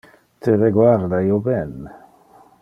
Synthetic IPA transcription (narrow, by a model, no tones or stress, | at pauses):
t̪ʰereɡwaɾd̪aiobɛn